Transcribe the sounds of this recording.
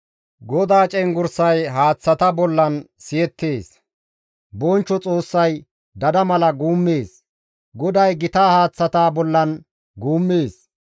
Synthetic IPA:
ɡɔd̪aːt͡ʃʼɛŋɡʊɾsɐjɦaːt͡sːɐt̪ɐbɔlːɐnsɪjɛt̪ːe̞ːs | bɔnt͡ʃːɔt͡sʼoːsːɐj | d̪ɐd̪ɐmɐlɐɡuːmːe̞ːs | ɡɔd̪ɐjɡɪt̪aːhaːt͡sːɐt̪aːbɔlːɐn | ɡuːmːeːs

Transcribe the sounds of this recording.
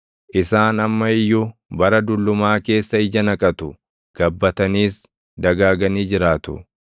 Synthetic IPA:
ʔɪsaːnɐmːɐɪjːʊbɐɾɐd̪ʊlːʊmaːke̞ːsːɐɪd͡ʒɐnɐkʼɐt̪ʊ | ɡ̥ɐbːɐt̪ɐniːs | d̪ɐɡaːɡɐniːd͡ʒɪɾaːt̪ʊ̰

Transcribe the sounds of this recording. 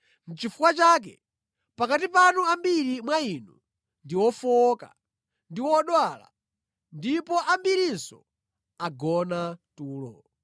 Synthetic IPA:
n̩t͡ʃifukwat͡ʃak̬ɛ | pakatipanuambiɾimwainu | ndiwɔfɔka̰ | ndiwɔɗwala̰ | ndipɔʔambiɾinsɔ̰ | aɡɔnatuːlɔ̰

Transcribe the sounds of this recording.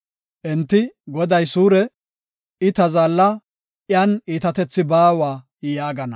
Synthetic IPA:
ʔɛnt̪ːɪɡɔd̪ɐjsuːɾɛ | ɪt̪ɐzaːlːɐ | ʔɪjaniːt̪ɐt̪ɛt͡sːɪbaːwaː | jaːɡɐnɐ

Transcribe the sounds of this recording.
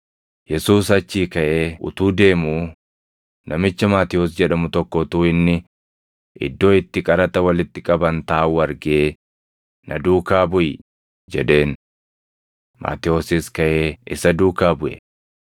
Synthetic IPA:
jɛsuːsɐt͡ʃːiːkɐʔeːʊ̰t̪uːd̪e̞ːmuː | nɐmɪt͡ʃːɐmaːt̪ɪoːs̬d͡ʒɛᶑɐmʊt̪ɔkːɔt̪uːɪnːɪ | ʔɪ̰d̪ːo̞ːɪt̪ːɪkʼɐɾɐt̪ɐwɐlɪt̪ːɪkʼɐbɐnt̪aːuːɐɾɡe̞ː | nʔɐd̪uːkaːbʊjɪ | d͡ʒɛᶑe̞ːn | mʔa̰ːt̪ɪoːsɪskɐʔe̞ːʔɪsɐd̪uːkaːbʊʔɛ̰

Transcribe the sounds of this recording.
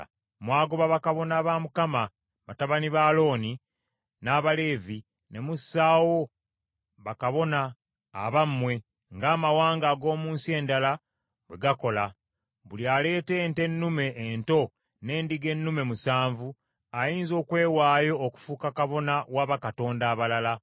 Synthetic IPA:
mwaːɡoβaβakaβo̞naːβamukama | βataβaniβalo̞ːni | naβale̞ːvi | ne̞musːaːwo̞ | βakaβo̞na̰ː | βamːwe̞ | ŋɡaːmawaːŋɡaːɡo̞ːmuːnsie̞ndala | βwe̞ɡako̞la | βuliale̞ːte̞nte̞nːume̞ʔːnto̞ | ne̞ːndiɡe̞nːume̞musaːɱvu | ajiːnzo̞ːkwe̞ːwaːjo̞ːku̥fuːkakaβo̞nawaβakato̞ːndaːβalala

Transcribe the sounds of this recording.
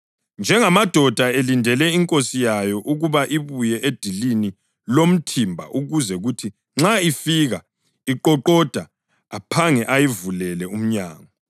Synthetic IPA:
nd͡ʒʱɛŋamad̥ʱɔd̥ʱaelindʱɛlɛiŋkʼosijajɔʔuɣuβaʔiβujɛʔed̥ʱilini | lom̩tʰimbʱa̰ʔuɣuzɛɣutʰi | ŋ͡ǁaifiɣa | iǃɔǃɔd̥ʱaː | pʰaŋɛʔajivulɛlɛum̩ɲa̰ːŋɔ

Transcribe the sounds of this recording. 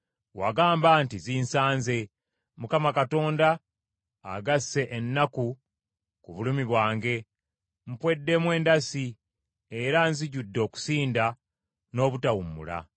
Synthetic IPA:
wa̰ɡaːmbantizinsaːnze̞ | mukamakato̞ːnda̰ː | ɡasːe̞ʔenːaku | kuβulumiβwaːŋɡe̞ | m̩pwe̞dːe̞mwe̞ːndasi | eɾanziɟudːo̞ːku̥siːnda | no̞ːβutawumṵla̰

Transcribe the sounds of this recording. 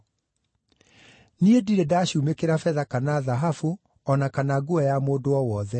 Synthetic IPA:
niediɾedaɕumekeɾafɛðakanaðaɦafu | ɔnakanaɡuajamoːdoɔwɔðɛ

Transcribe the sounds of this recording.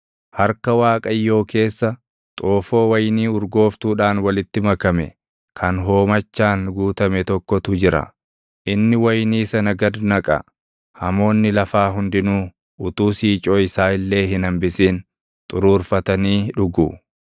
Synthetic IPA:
hɐɾkɐwaːkʼɐjːo̞ːke̞ːsːɐ | t̪ʼoːfo̞ːwɐjniːʊɾɡo̞ːft̪uːᶑaːnwɐlɪt̪ːɪmɐkɐmɛ̰ | kʰɐnɦo̞ːmɐt͡ʃːaːnɡuːt̪ɐmɛt̪ɔkːɔt̪ʊd͡ʒɪɾɐ̰ | ʔɪnːɪwɐjniːsɐnɐɡɐd̪nɐkʼɐ̰ | hɐmo̞ːnːɪlɐfaːɦʊnd̪ɪnuː | ʔʊt̪uːsiːt͡ʃʼoːɪsaːɪlːe̞ːɦɪnɐmbɪsiːn | t̪ʼʊɾuːɾfɐt̪ɐniːᶑʊɡu

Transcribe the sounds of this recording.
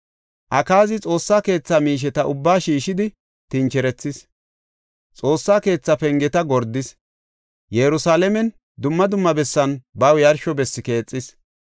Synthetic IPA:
ʔɐkaːzɪt͡sʼo̞ːsːaːke̞ːt͡sːamiːʃ̬ɛt̪ɐʔʊbːaːʃiːʃɪd̪ɪ | t̪ɪnt͡ʃɛɾɛt͡sːɪs | t͡sʼo̞ːsːaːke̞ːt͡sːɐpɛŋɡɛt̪ɐɡɔɾd̪ːɪs | jɛɾʊsaːlɛmɛn | d̪ʊmːɐd̪ʊmːɐbɛsːɐnbɐwjɐɾʃɔbɛsːɪke̞ːt͡sʼːɪs

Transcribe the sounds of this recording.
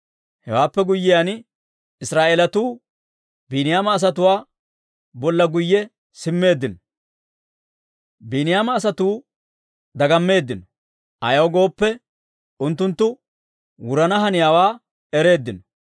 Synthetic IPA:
hɛwaːpːɛɡʊjːɪjan | ɪsɾaːʔeːlɐt̪uː | biːnɪjaːmɐːs̬ɐt̪ʊwaː | bɔlːɐɡʊjːɛ | sɪmːe̞ːd̪ːɪnɔ | biːnɪjaːmɐːs̬ɐt̪uː | d̪ɐɡɐmːe̞ːd̪ːɪnɔ̥ | ʔɐ̰jɐwɡo̞ːpːɛ | ʊnt̪ːʊnt̪ːʊ | wʊɾɐnɐɦɐnɪjaːwaː | ɛɾe̞ːd̪ːɪnɔ

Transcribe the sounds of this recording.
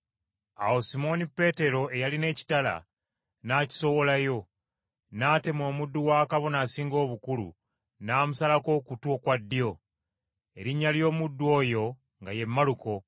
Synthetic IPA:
awo̞simo̞nipe̞ːte̞ɾo̞e̞jaline̞ːci̥tala̰ | naːci̥so̞wo̞lajo̞ | naːte̞mo̞ːmudːuwaːkaβo̞naːsiːŋɡo̞ːβukulṵ | naːmusalako̞kutuokwadːijo̞ | e̞ɾiɲːaljo̞ːmudːuo̞ːjo̞ | ŋɡaje̞mːaluko̞

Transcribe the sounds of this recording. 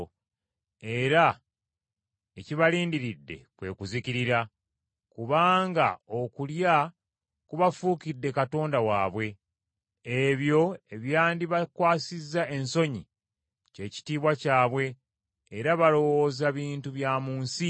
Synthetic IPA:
e̞ɾa | eciβaliːndiɾidːe̞̰kwe̞̰ːkuziciɾiɾa | kuβaːŋɡao̞kulja | kuβafuːkidːe̞kato̞ːndawaːβwe̞ | eβjo̞e̞βjaːndiβakwaːsizːae̞nso̞ɲḭ | ce̞ːci̥tiːβwacaːβwe̞ː | ɾaβalo̞woːzaβiːntuβjaːmuːnsi

